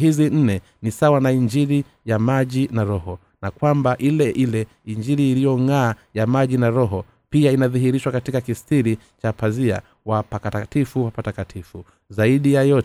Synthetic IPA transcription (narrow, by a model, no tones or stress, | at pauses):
ɦizin̩nɛ | nisawanaiɲd͡ʒiɾi | jamaʄinaɾɔhɔ | nakwambaʔilɛʔilɛ | iɲd͡ʒiɾiːlijɔŋaːjamaʄinaɾɔɦɔ | piainaðiɦiɾiʃwakatikakistiɾi | t͡ʃapazia̰ | wapakaatifuwapatakatʰifu | zaiɗijajɔt